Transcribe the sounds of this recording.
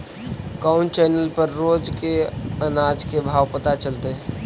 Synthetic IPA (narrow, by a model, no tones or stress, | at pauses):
kaʊ̃ɳt͡ʃɛːnəlpəɾːoːd͡ʒkeənaːd͡ʒkebʱaːwpət̪at͡ʃəlt̪e